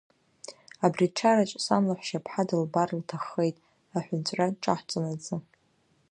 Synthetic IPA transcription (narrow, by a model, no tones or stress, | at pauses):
abriʈ͡ʂʰarat͡ʃʷʼsamlaħʷʃapʰħadɨlbarltʰaχːejtʼ | aħʷʊnt͡ɕʷʼraʈ͡ʂʼa̰ħt͡sʼanat͡sʼɨ